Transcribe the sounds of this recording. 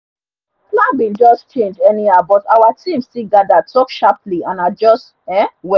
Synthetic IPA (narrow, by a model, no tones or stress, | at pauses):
klabĩnd͡ʒɔst͡ʃẽnd͡ʒɛniabɔtawatʰĩmstilɡadatɔkʃapliãnad͡ʒɔst | ɛ̃wɛ